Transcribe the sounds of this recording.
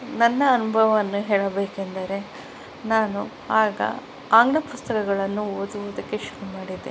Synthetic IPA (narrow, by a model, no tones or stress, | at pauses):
nɐnːɐːnubʱɐʋɐɐnːuɦeːɭɐbeːkend̪ɐɾe̞ | naːnu | aːɡɐ̰ | aːŋɡɳɐpust̪ɐkɐɡɐɭɐnːuoːd̪uʋod̪ɐkːe̞ʃuɾumaːɽid̪e